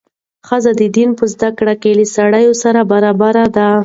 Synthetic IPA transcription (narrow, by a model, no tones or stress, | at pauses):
xəzad̪əd̪inpəzd̪akɽakelisaɽajosaɾabaɾabaɾad̪a